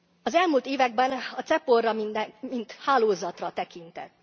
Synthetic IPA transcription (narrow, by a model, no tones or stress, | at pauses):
ɒzɛlmult̪eːvɛɡ̚bɛnɒt̪sɛporːɒmind̪mint̪haːloːzɒt̪rɒt̪ɛkint̪ɛ̰t̪ː